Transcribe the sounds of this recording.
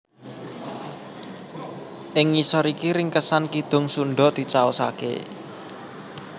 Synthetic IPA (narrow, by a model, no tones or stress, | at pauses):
ʔɪŋːisɔɾikiɾɪŋkəsankid̪̥ʊ̤ŋsunɖɔ̤d̪̥i̤t͡ʃaosa̰kḛ